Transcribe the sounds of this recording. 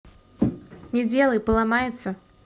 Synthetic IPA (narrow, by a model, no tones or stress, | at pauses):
nʲɛd͡zʲɛlˠɐjpəlˠamajɛt̪sːɐ